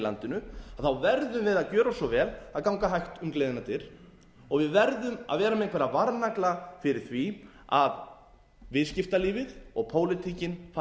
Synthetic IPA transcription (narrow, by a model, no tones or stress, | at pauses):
la̰nt̪ɪnʏaðθawvɛɾðʏmvɪðaðcœːɾasɔvɛːlaðkawŋkaɦajxt̪ʏmkleːjðɪnat̪ɪɾ̥ | ɔɣvɪðvɛɾðʏma̰ðvɛːɾamɛẽŋkvɛɾavaɾnaklafɪɾɪɾ̥θvi | a̰ð | vɪðscɪft̪aliːvɪðɔɣpʰoːwlɪt̪ʰiːcɪnf